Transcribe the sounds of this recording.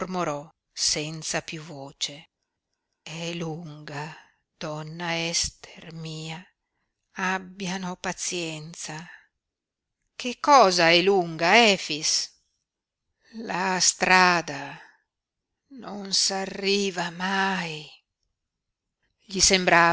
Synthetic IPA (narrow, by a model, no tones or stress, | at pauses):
rmoɾɔ | sɛnt̪sapjuvoːt͡ʃe | ɛluŋɡa | d̪̥ɔnːaɛst̪ʰermiːa | abːjanopat̪sjɛnt̪sa | kʰekːɔːzaɛluŋɡaɛfis | last̪ɾaːd̪a | nonsarːiːvamaj | ʎisembɾaː